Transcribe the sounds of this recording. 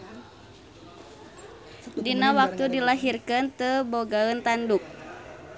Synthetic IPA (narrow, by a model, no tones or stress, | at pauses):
dinawak̚t̪udilaɦirkɨnt̪əboɡaənt̪anduk̚